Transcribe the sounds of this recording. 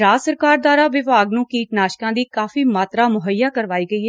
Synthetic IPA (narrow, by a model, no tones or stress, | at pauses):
ɾaːsəɾkaːɾd̪waːɾaːʋɪʋaːɡnũːkiːʈnaːʃkãːd̪iːkaːfiːmaːt̪ɾaːmʊɦəjːaːkəɾʋaːiːɡəiːɦɛ